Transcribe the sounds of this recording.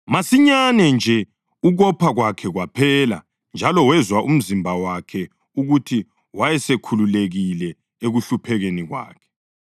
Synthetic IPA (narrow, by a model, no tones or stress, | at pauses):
masiɲanɛnd͡ʒʱɛ | uɣɔpʰaɣwakʰɛɣwapʰɛːla̰ | nd͡ʒʱalɔwɛzwaʔum̩zimbʱawakʰɛ | uɣutʰi | wajɛsekʰululeɣilɛ | eɣuɬupʰɛɣeniɣwa̰ːkʰɛ̥